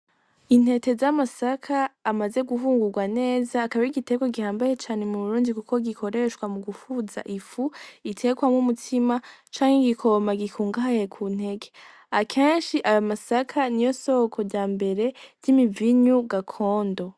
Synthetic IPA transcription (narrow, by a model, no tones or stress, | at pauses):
in̥he̞te̞zamasakʰaːmaze̞ɡuɦuːŋɡuɾɡwane̞ːzaːkaβaɾiɡite̞ɡoɡihaːmbaje̞t͡ʃaːne̞muβuɾuːndikukʰoɡikʰo̞ɾe̞ʃkwamuɡufuza̰ʔifuitʰe̞ɡwamŋumutʰimat͡ʃaːŋ̥hiɡikʰo̞maɡikʰuːŋɡaajekʰun̥e̞ɡe | akʰeːnʃiʔajamasakʰanijo̞so̞kʰo̞ɾɟaːmbe̞ɾe̞z̥imiviɲuɡakʰo̞ːndo̞